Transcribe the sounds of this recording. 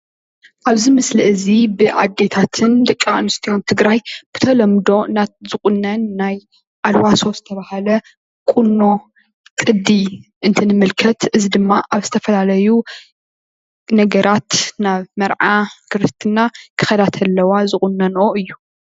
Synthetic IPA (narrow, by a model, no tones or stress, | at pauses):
ʔaβzimɨslɐʔɨzibɨʔa̰d̪ːe̞t̪ʰat̪ʰɨnd̪ɐkʼːiʔʼɨnɨst̪ʰijont̪ʰɨɡɾajb̥ɨ̥t̪ʰɐlɐmd̪o̞nat̪̚zɨkʼunːɐnːaj | ʔalwaso̞zɨt̪ʰɐβahalɐ | kʼunːo̞ | kʼɨd̪iʔɨnt̪ʰɐnɨmɨlkʰɐt̪ʔɨzid̪ɨmːaʔaβzɨt̪ʰɐfɐlalɐju | nɐɡɐɾʔat̪naβmɐɾʕakʰɨɾt̪ʰɨnːakʰɨxɐd̪at̪ʰɐlːɐwazɨkʼunːɐnʔoʔɨjːu